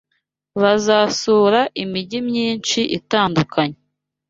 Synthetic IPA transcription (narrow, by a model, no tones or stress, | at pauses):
βazasuːɾaʔimiɟimɲiːnt͡ʃiʔitaːndukʰaɲe